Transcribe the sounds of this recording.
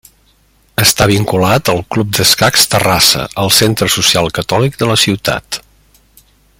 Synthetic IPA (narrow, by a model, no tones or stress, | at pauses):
əst̪aβ̞iŋkulat̪əlˠklup̚d̪əskakst̪ərasə̰ʔəlˠsent̪ɾəsusialˠkət̪ɔlik̚d̪ələsiwt̪a̰t̪